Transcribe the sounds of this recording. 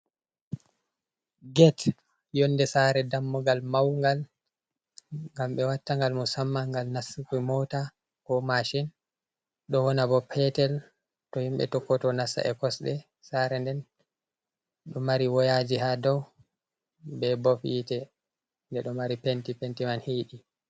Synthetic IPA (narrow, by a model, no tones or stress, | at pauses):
ɡɛt | jɔnːdɛsaɾɛdamːɔɡalmawŋɡal | ŋɡamɓɛwatːaŋɡalmɔsamːaŋɡalnasːukumɔta | kɔmaʃin | ɗɔwɔnabɔpʰɛtɛl | tɔhimɓɛ̰tɔkːɔtɔnasːa̰ʔɛkɔsɗɛ | saɾɛndɛn | ɗɔmaɾiwɔjad͡ʒihadɔw | bɛbɔfitɛ | ndɛɗɔmaɾipentipentimanhiɗi